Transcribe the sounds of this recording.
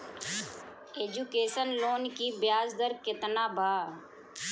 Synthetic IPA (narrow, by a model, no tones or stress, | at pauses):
eːd͡ʒukeːʃənloːnkibjaːzd̪əɾkɪt̪nabʱaː